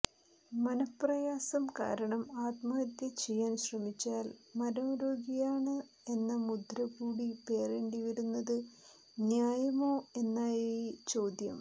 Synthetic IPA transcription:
mɐnɐprɐjaːsɐmka̰ːɾɐɳɐmaːt̪mɐɐt̪ːjɐt͡ɕejːaːnɕrɐmit͡ɕːaːlmɐɾɐmuɾoːɡijaːɳɨ | e̞nːɐmud̪ʱɾɐkuːɽipe̞ːreɳɖiʋɐɾunːɐðɨ | njaːjɐmo̞ːe̞nːaːjet͡ɕo̞ːd̪jɐ̰m

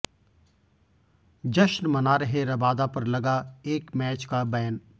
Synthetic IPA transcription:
d͡ʒɐʃnmɐnaːɾəɦeɾɐbaːd̪apɐɾlɐɡaeːkmɛːt͡ʃkabɛːn

